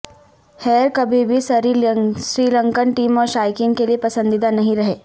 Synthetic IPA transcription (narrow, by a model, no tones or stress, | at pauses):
hɛːɾkɐbʱibʱisɐɾisɾiːlə̃ŋkənʈiːmɔːɾʃaːɪkɪŋkeliepɐsə̃nd̪ɪd̪anɐɦĩɾɐɦeː